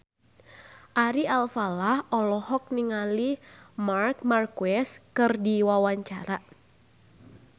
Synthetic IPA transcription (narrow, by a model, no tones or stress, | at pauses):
ʔaɾialfalahʔɔlɔhɔk̚niŋalimark̚markuɛskɨrdiwawaɲt͡ʃaɾa